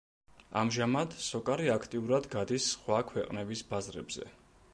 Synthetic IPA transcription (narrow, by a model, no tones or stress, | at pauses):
a̰mʒamad̪sɔkʼaɾiakʰt̪ʼiuɾad̪ɡad̪isːχwakʰwɛqʼnɛbisbazɾɛ̰bz̥ɛ̰